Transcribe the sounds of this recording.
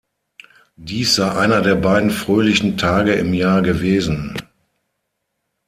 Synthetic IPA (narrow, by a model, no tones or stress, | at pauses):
diːsz̥aɪʔaɪnɐdeːɐbaɪdn̩fʁ̥øːlɪçn̩tʰaːɡəɪmjaːɐɡəveːzn̩